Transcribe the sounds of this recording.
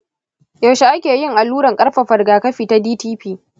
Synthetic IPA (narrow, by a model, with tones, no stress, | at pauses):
ja˨ʃe˨ʔa˦kʲeː˨jɪ˦ŋʔa˨lːuː˦ɽɐ˨ŋkʼɐ˦rɸɐ˨ɸɐ˨rɡaː˨kɐ˦ɸiː˨ta˦diː˦tiː˦ɸiː˦